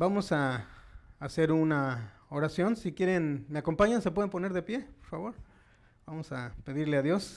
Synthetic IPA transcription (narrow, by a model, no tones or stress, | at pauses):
bamosaː | seɾunaoɾasjonsikjeɾenmeakompaɲansep̬weðemponeɾðepjepoɾfaβoɾ | bamosapeðiɾleaðjos